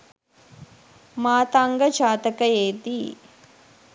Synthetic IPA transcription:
maːt̪aːŋɡɐd͡ʒaːt̪ɐkɐeːd̪i

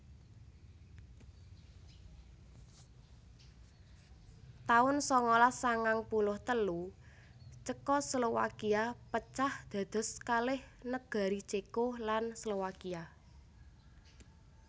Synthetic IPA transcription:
t̪aʊnsɔŋɔlasaŋaŋpulʊht̪əlu | t͡ʃəkɔslowa̰kiapət͡ʃahd̪̥ä̤d̪̥ɔ̤skalɪhnəɡ̥a̤ɾit͡ʃekolanslowakia

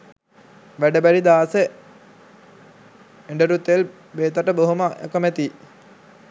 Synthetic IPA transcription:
ʋæɖəbæɾid̪aːse | eɳɖəɾut̪ːel | beːt̪aʈəboɦuməʔḛkəmæt̪i

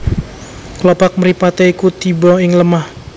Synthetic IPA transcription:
klɔpak̚məɾipat̪ɛikut̪ibɔɪŋləmah

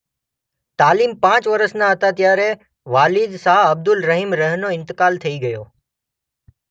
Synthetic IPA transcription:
t̪aːlimpãːt͡ʃʋəɾəsnãɦət̪ãt̪jaɾe | ʋaːlɪd̪saːəb̚d̪ʊlɾəɦimɾəɦnoɪ̃nt̪ɪkaːlt̪ʰəiɡəjo

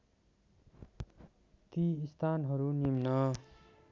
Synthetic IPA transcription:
t̪iist̪ʰanɦʌɾunimnʌ

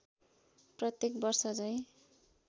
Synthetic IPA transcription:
prʌt̪jek̚bʌrsʌd͡zʌj̃

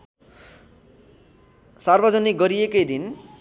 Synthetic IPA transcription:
sarbʌd͡zʌnikɡʌɾijekʌjd̪in

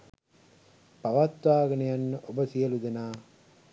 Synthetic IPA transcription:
paʋat̪ʋaːɡənəjanːəʔobəsijəlud̪enaː

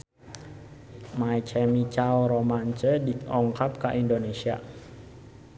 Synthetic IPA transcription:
majt͡ʃɛmit͡ʃawɾomant͡ʃədiɔŋkap̚kaʔindonesia

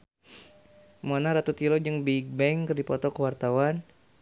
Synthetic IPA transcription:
muanaɾat̪ut̪ilod͡ʒəŋbiɡ̚bɛŋkərdipɔt̪ɔkəwart̪awan

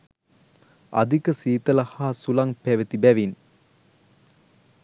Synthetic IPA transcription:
a̰d̪ikəsiːt̪əlahaːsulaŋpæʋət̪ibæʋin

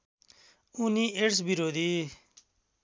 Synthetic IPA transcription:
uniːʔeɽs̬biɾoːd̪iː

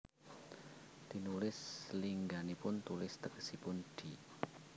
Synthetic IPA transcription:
t̪i̤nulɪsliŋɡanipʊnt̪ulɪst̪əkə̥sipʊnd̪̥i̤

